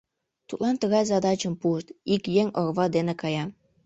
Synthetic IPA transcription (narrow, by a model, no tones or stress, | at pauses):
t̪ut̪lɑnt̪əɣɑjzɑd̪ɑt͡ɕəmpuəʃt̪ikjeŋorβɑd̪enekɑjɑ